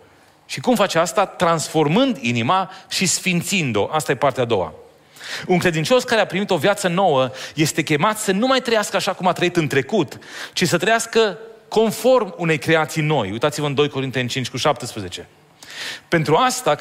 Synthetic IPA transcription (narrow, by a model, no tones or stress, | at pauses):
ʃikumfat͡ʃeast̪at̪ɾansfo̞rmɨnd̪inimaʃisfint̪sind̪o̞ʔast̪aje̞part̪ead̪o̞̰wa̰ | uŋkɾe̞d̪int͡ʃo̞skaɾe̞apɾimit̪o̞vjat̪səno̞wəje̞st̪e̞kʲe̞mat̪sənumajt̪ɾəjaskəaʃakumat̪ɾəit̪ɨnt̪ɾe̞kut̪ | t͡ʃisət̪ɾəjaskəko̞nfo̞rmune̞jkɾe̞at̪sijno̞jujt̪at̪sivəɨnd̪o̞jko̞ɾint̪e̞nʲt͡ʃint͡ʃʲkuʃapt̪əspɾeze̞t͡ʃe̞ | pe̞nt̪ɾuast̪a